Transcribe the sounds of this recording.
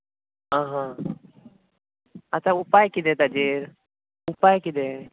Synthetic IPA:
ɦãːɦã | ɐt̪aupajkid̪et̪ad͡ʒeɾ | upajkid̪e

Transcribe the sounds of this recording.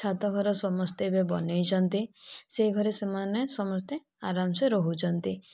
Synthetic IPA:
t͡ʃʰat̪ɔɡʱɔɾɔsɔmɔst̪ebebɔnejt͡ʃʰɔnt̪iseɡʱɔɾesemanesɔmɔst̪e | aɾamseɾɔɦut͡ʃʰɔnt̪i

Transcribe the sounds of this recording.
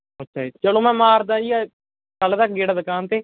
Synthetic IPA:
ətːʃʰaːit͡ʃəlõːmɛ̃ːmaːɾd̪ãːia | kəlːd̪aːkɡeːɽaːd̪əkaːnt̪eː

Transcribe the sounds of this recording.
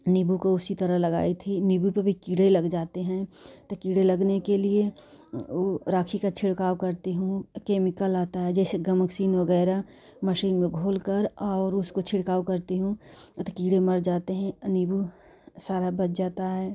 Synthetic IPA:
nɪbukoʊsit̪ɐɾəɦlɐɡa̰ːit̪ʰinɪbupebʱikiːɽelɐɡd͡ʒaːt̪eɦɛ̃t̪okiːɽelɐɡnekelie | oɾaːkʰikat͡ʃʰɪɽkaːwkɐɾt̪eɦũkeːmɪkəlaːt̪aɦɛd͡ʒɛːseɡɐməksiːnʋɐɡɛːɾa | məʃiːnmẽɡʱoːlkəɾɔːɾʊskot͡ʃʰɪɽkaːokɐɾt̪iɦũt̪okiːɽemɐɾd͡ʒaːt̪eɦɛ̃nɪbu | saːɾabɐt̪d͡ʒaːt̪aɦɛː

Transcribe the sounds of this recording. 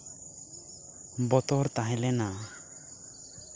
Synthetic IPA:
bɔt̪ɔɾt̪aɦɛ̃lɛna

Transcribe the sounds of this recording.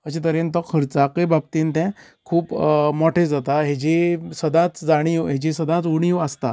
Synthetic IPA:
əɕet̪əɾẽnt̪əkʰəɾt͡sakəbab̚t̪iːnt̪ɛ̃ | kʰuːpmɔʈʰed͡zat̪aɦed͡ʑisəd̪ãt͡sd͡zaɽ̃iuɦed͡ʑisəd̪ãt͡suɽ̃iuəst̪a

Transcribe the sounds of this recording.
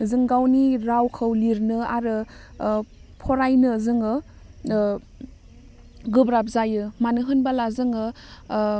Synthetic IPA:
zɯŋɡawniɾawkʰɯwliɾnɯaɾɯ | pʰɔɾajnɯzɯŋɯ | ɡɯbɾap̚zajɯmanɯɦɯnbalazɯŋɯ

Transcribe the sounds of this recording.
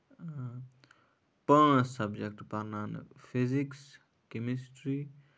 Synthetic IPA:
pəɳsɐbd͡ʒek̚ʈpɐɾnan̰pʰiziks | kemisʈɾi

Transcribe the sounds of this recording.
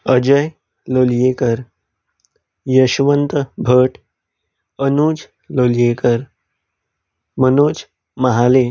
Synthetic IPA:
əd͡ʑəj | loljekəɾ | jəɕʋənt̪əbʱəʈ | ənuːd͡z | loljekəɾ | mənoːd͡z | məɦale

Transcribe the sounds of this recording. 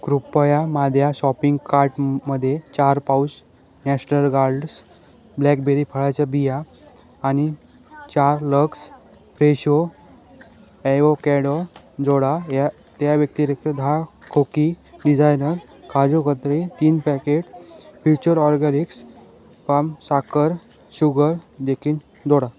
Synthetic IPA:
kɾupːəjamad̪ʱjaɕɔpiŋɡkaɾʈməd̪ʱːjet͡ɕaɾpaus | nɛɕnəlɡaɾɖs | blɛk̚beɾipʰəɭat͡ɕabijaː | ni | t͡ɕaɾləks | pɾeɕo | ɛokɛɽo | d͡zoɽaa | t̪jaʋjək̚t̪iɾek̚t̪id̪ʱa | kʰokiɖid͡zajnəɾ | kʰad͡zokət̪ɾet̪iːnpɛkeʈfʰut͡ɕəɾɔɾɡɛniks | pamsakəɾ | ɕuɡəɾd̪ekʰiːn | d͡zoɽa

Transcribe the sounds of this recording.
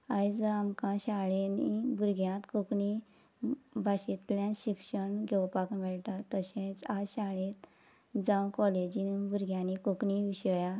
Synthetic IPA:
ajd͡zamkãɕaɭenibuɾɡʱjãt̪kokɳi | bʱaɕit̪plãɕikʂəɳɡʱewpakmɛɭʈ̪at̪ːəɕẽt͡saɕaɭẽt̪ | d͡zãwkɔled͡ʑinbuɾɡʱjãnikokɳiʋiɕəja

